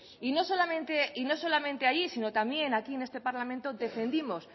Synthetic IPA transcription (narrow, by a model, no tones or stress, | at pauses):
ino̞so̞lamẽnt̪e̞ʔino̞so̞lamẽ̞nt̪e̞aʎisino̞t̪ambje̞nakiene̞st̪e̞paɾlamẽnt̪o̞ðe̞fe̞nd̪imo̞s